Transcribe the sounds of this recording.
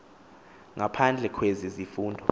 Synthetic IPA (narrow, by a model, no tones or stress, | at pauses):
ŋapʰand͡ɮʱɛkʰwezizifuːndʱɔ